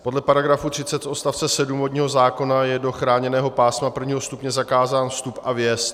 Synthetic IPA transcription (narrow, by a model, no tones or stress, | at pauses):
po̞dlɛpaɾaɡɾafut̪r̝̥ɪt͡sɛt̪ʔost̪aft͡sɛsɛdumvodɲiːɦo̞zaːko̞najɛdo̞xɾaːɲɛnɛːɦo̞paːsmapr̩vɲiːɦo̞st̪upɲɛzakaːzaːnfst̪upʔavjɛst̪